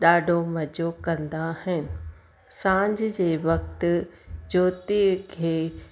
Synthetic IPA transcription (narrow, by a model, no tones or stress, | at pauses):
ɗaːɖʱomɐd͡ʑokɐ̃nd̪ahɪnɪ̆ | sãːɲd͡ʑɪd͡ʑeːʋɐk̚t̪ʊ̆d͡ʑoːt̪ikʰeː